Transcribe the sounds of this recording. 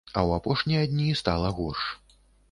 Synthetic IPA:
ɐwapɔʂnʲijɐd̪ʲnʲist̪alˠɐɣɔrʂ

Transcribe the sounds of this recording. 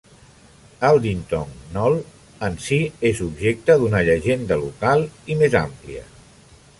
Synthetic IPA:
əlˠd̪int̪ɔŋnɔlˠ | ənsiezubʒek̚t̪əðunəʎəʒend̪əlukalˠimeza̰mpliə̰

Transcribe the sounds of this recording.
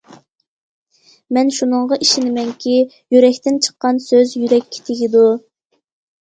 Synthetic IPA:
mɛnʃunɨɴʁɑʔiʃɪnɪmɛŋkʲʰi | jyɾɛkʲt̪ɪnt͡ʃʰə̥qːɑnsøzjyɾɛkʲʰːe̥t̪ʰeɡʲid̪u

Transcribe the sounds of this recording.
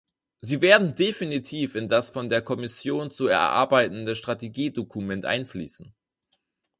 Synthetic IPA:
ziːveːɐdn̩definitʰiːfɪndasfɔndeːɐkʰɔmɪsjoːnt͡suɛ̰ɐʔa̰ɐbaɪtn̩dəʃtʁ̥ateɡiːdokʰumɛntʔa̰ɪnflḭːsn̩

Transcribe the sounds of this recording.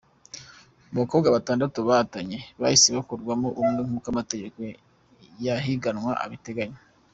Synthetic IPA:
umβakobɡaβataːndatuβaataɲe̞βa̰jisiβakuɾɡwamoʔumŋɡeŋ̥ukamate̞ɟe̞ko̞ | jaɦiɡanŋwaʔa̰βite̞ɡaɲo

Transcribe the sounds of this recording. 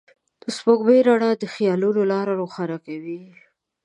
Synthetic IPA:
d̪̥əspoɡbeɾaɽad̪əxijɑlunolɑɾaɾoxaɾakawi

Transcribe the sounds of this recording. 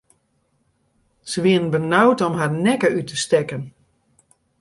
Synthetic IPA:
səʋiəənbənawtɔmɦarnɛkəytʰəstɛkən

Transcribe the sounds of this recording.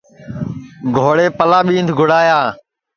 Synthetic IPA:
ɡʱoːɽeːpəlaːɓĩːnd̪ʱɡʱʊɽaːjaː

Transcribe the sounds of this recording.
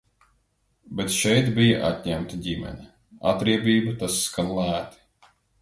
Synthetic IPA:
bɛt̪ʃɛjt̪bijaʔa̰t̪ʲɲæmt̪iɟʲimɛ̰nʲi | a̰t̪ɾiɛbʲiːbut̪asːkanlˠæːt̪i̥

